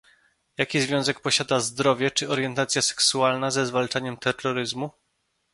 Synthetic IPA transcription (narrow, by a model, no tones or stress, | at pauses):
jakʲizvʲjɔ̃w̃zɛk̚pɔɕad̪azd̪ɾɔvʲjɛt͡ʂɘɔɾjɛnt̪at̪sʲjasɛ̥ksualnazɛzvalt͡ʂaɲɛmt̪ɛrːɔɾɘzmu